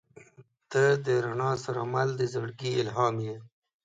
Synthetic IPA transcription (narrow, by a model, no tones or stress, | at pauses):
t̪əd̪əɾaɳɑsaɾamald̪əzaɽɡiɪlɦɑːmje